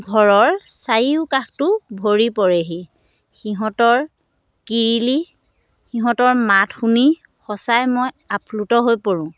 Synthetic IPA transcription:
ɡʱɔɹɔɹsajiʊkaxtʊbʱoɹipɔɹɛɦi | xiɦɔ̃tɔɹ | kiɹili | xiɦɔ̃tɔɹmatʰxuni | xɔsajmoj | apʰlutɔɦojpoɹʊ̃

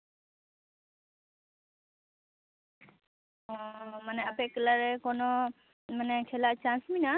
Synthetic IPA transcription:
ɔmanɛapɛʔkɛlaɾɛkɔnɔ | manɛkʰɛlaʔt͡ʃãnsmina

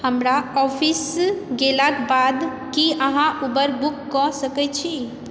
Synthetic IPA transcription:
həmɾaɔpʰisɡelakbad̪ | kiəɦãʔubəɾbukːɔsəkɛt͡ʃʰi

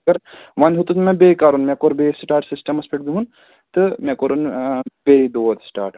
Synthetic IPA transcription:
ɐɾʋɐnɦut̪ut̪mɛ̃beːkaɾunmɛ̃koɾbesʈaːɾʈsisʈɐmɐspʰeʈ̚d̪uɦun | t̪ɨmɛkoɾunbeid̪ot̪sʈa̰ːɾʈ

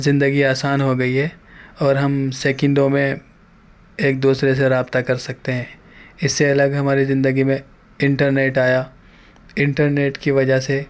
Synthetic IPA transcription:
zɪ̃nd̪əɡiaːsaːnɦoɡɐiɦɛɔːɾɦɐmseːkɛ̃ɳɖõmẽ | eːk̚d̪uːsɾes̬eɾaːbt̪akɐɾsɐk̚t̪eɦɛ̃ː | ɪsːeɐləɡɦɐmaːɾizɪ̃nd̪əɡimẽ | ɪ̃ɳʈəɾneːʈaːja | ɪ̃ɳʈəɾneːʈkiʋɐd͡ʒəɦse

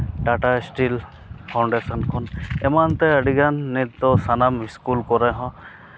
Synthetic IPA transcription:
ɖaʈasʈil | pʰawɳɖesɔnkʰɔnɛmant̪ɛəɖiɡanːit̪ːɔsanamiskulkɔɾaɦɔ̃

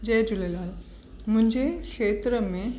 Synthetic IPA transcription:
d͡ʑed͡ʑulelal | m̤ə̃ɳd͡ʑekʂet̪ɾəmẽ

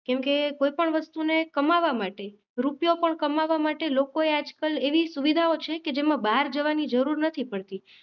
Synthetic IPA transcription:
kɛmkekoipəɳʋəst̪unekəmaʋamaʈe | ɾupjopəɳkəmaʋamaʈelokoead͡ʒkəleʋisuʋid̪ʱaot͡ʃʰeked͡ʒemãbaɾd͡ʒəʋanid͡ʒəɾuɾnət̪ʰipəɭt̪i

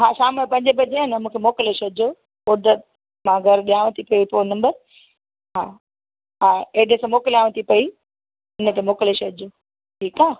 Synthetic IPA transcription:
ɦaːʃaːməpɐ̃ɲd͡ʑəbɐd͡ʑenɐmũːkʰemoːkɪleʃod͡ʑoː | ʊɾd̪ət̪̚ | mãɡʱɐɾɗijaːʋə̃t̪ʰipɐiponɐ̃mbəɾ | ɦaː | ɦaːeɖesãmoːkɪlaːʋ̃ə̃t̪ʰipɐi | ɪnə̆t̪emoːkleʃod͡ʑoː | ʈʰiːkaː

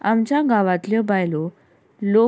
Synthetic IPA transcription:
a̰mt͡ɕjaɡaʋat̪ljəbajlo | lo

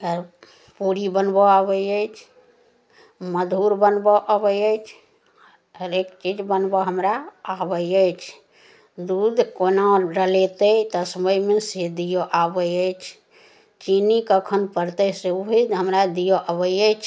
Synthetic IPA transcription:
əɡəɾ | puɾibənboabəjəjt͡ʃʰ | məd̪ʱuɾbənbɔʔabəəjt͡ʃʰ | ɦəɾekt͡ʃid͡ʒbənbɔɦəmɾaabəəjt͡ʃʰ | d̪ud̪ʱkonaɾəlet̪ət̪ɔsəməjmesed̪ijoʔabəjəjt͡ʃʰ | t͡ʃinikəkʰənpəɾt̪əseuɦiɦəmɾad̪ijoʔaβəəjt͡ʃʰ

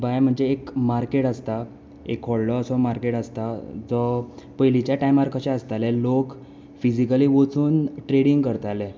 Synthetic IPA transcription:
bajm̤əɳd͡zeːkmaɾkeʈast̪a | ḛkʰɔɭlɔːsɔmaɾkeʈəst̪ad͡zɔpəjlit͡ɕjaʈajmaɾkʰaɕeəst̪alɛlok | fid͡ʑikaliːʋot͡suːnʈɾeɽiŋɡkəɾt̪alɛ

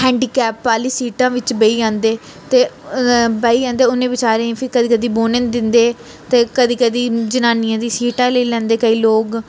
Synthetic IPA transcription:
ɦɛ̃ːɳɖiːkɛːpːaːliːsiːʈãːʋɪt͡ʃbəiːãːnd̪eː | t̪eː | bəiːãːnd̪eːʊnẽːbɪt͡ʃaːɾẽːpʰɪkəd̪iːkəd̪iːboːnẽnd̪ɪnd̪eː | t̪eːkəd̪iːkəd̪iːd͡ʒənaːnɪjãːd̪iːsiːʈãːləiːlɛ̃ːnd̪eːkəiːloːɡ

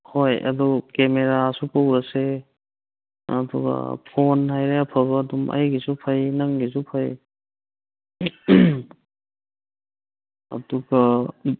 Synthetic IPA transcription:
hojʔɐ̰dɔkemeɾasupawɾɐse | ɐ̰duɡɐ̰pʰonɦajɾeɐpʰabɐːdumʔɐ̰jɡisupʰajnaŋɡis̬upʰaj | ɐ̰duɡa

